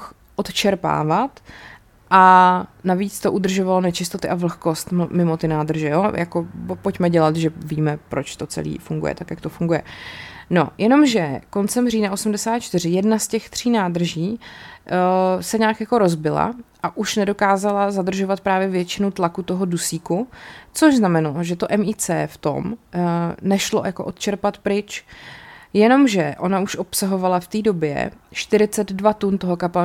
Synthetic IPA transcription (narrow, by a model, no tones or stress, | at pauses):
x | ʔot̪t͡ʃɛɾpa̰ːvat̪ | ʔanaviːt͡st̪o̞ʔud̪r̩ʒo̞valo̞nɛt͡ʃɪst̪ot̪ɪʔavl̩xko̞st̪mɪmo̞t̪ɪnaːd̪r̩ʒɛjoːjako̞po̞cmɛɟɛlat̪ʒɛviːmɛpɾo̞̰t͡ʃt̪o̞t͡sɛ̰lḭːfuŋɡṵjɛ̰t̪akjakt̪o̞fuŋɡujɛ̰no̞jʔɛno̞mʒɛko̞nt͡sɛmriːnaʔo̞sumdɛsaːt̪̚t͡ʃt̪ɪrɪjɛdnascɛxt̪r̝̥iːnaːd̪r̩ʒiː | sɛɲaːkjako̞ɾo̞zbɪla̰ʔaʔuʃnɛdo̞kaːzalazad̪r̩ʒovat̪̚pɾaːvjɛvjɛt͡ʃɪnut̪lakut̪o̞ɦo̞dusiːkut͡soʒznamɛnaloʒɛt̪oʔɛmiːt͡sɛ̰ːft̪o̞̰m | nɛʃlo̞̰jakoʔot̪t͡ʃɛɾpat̪pɾɪt͡ʃ | jɛno̞mʒɛʔo̞nauʃʔopsaɦo̞valaft̪iːdo̞bjɛ̰ʃt̪ɪɾɪt͡sɛd̪dvat̪unt̪oɦo̞kapa